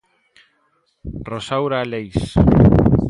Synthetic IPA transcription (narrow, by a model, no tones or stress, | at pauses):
rosawɾalejs